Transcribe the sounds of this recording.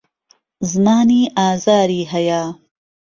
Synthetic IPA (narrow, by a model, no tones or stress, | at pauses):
zmɑːniːɑːzɑːɾiːɦɐjaː